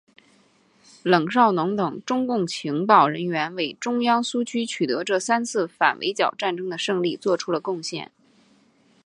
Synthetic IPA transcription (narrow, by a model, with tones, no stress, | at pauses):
lɤ˨˩ŋʂɑ˥˩ʊnʊ˧˥ŋt̪ɤ˨˩ŋʈ͡ʂʊ˥ŋkʊ˥˩ŋt͡ɕʰi˧˥ŋpɑ˥˨˩ʊɻə˧˥nɥɛ˧˥nwe˥˩ɪʈ͡ʂʊ˥ŋjɑ˥ŋsu˥t͡ɕʰy˥t͡ɕʰy˨˩t̪ɤ˧˥ʈ͡ʂɤ˥˩sa˥nt͡sʰɹ̩˥˩fa˨˩nwʔḛ˧˥ɪt͡ɕjɑ˨˩ʊʈ͡ʂa˥˩nʈ͡ʂɤ˥ŋd̪ə˨ʂɤ˥˧ŋli˥˧t͡swɔ˥˩ʈ͡ʂʰu˥lə˨kʊ˥˧ŋɕjɛ̰˥˩n